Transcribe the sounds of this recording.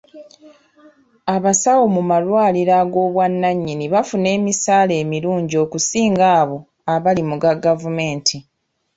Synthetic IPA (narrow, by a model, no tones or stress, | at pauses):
aβasawomumalwaːliɾaɡo̞ːβwanːaɲːiniβafune̞ːmisaːle̞ːmiɾuːɲɟio̞ːkusiːŋɡaːβo̞ | aβalimuɡaɡavume̞ːntʰi